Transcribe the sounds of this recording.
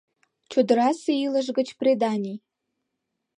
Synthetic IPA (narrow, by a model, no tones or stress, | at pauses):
t͡ɕod̪əɾɑseilə̆ʒɡə̆t͡ɕpred̪ɑnʲi